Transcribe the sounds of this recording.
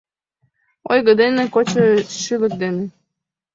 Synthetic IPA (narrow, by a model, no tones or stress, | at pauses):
ojɣəd̪enekot͡ɕəʃylək̚d̪ene